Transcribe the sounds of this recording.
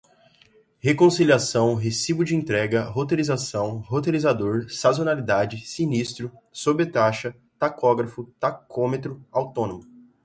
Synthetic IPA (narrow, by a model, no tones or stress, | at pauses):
hekõsiliasɐ̃w̃ɦesivʊd͡ʒɪẽnt̪ɾɛɡɐɦot̪elizasɐ̃w̃ɦot̪elizad̪oɾsazonalid̪ad͡ʒɪsinist̪ɾʊsobet̪aʃɐ | t̪akɔɡɾɐfʊt̪akʰõmet̪ɾʊawt̪õnõmʊ